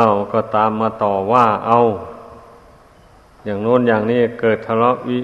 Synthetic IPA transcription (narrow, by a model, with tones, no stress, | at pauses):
a˧˩wkɔː˧˩t̪aː˨˦mːaː˧˩t̪ɔː˨˩waː˧˩ʔa˧w | jaː˨˩ŋnɔː˧˥˨njaː˨˩ŋniː˧˥˩kɤː˨˩t̪̚ʰa˧lɔ˧˥p̚ʔiː˧˥˨